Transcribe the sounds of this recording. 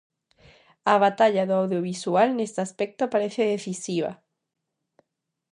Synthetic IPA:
aβat̪aʎaðoawðjoβ̞isualnest̪easpɛk̚t̪opaɾeθeðeθisiβ̞a̰

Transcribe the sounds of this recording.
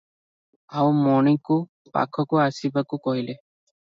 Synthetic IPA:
awmɔɽ̃iku | pa̰kʰɔkuasibakukɔɦile

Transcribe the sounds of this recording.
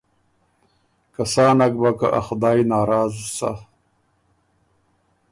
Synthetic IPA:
kɐsɑːnɐk̚baka̰ʔa̰xd̪aːjnɑːɾɑːzusa̰

